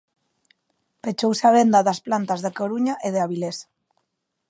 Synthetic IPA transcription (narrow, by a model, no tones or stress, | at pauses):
pet͡ʃowseaβ̞end̪aðasplant̪azðekoɾuɲaʔeðeaβilesḁ